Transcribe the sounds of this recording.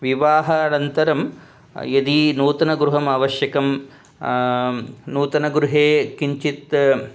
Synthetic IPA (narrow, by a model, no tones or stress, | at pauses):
ʋiʋaːɦɐɐɳɐnt̪ɐɾɐm | jɐd̪inuːt̪ɐnɐɡɾuɦɐmaːʋɐʃjɐkɐm | nuːt̪ɐnɐɡɾuɦeːkiɲt͡ʃit̪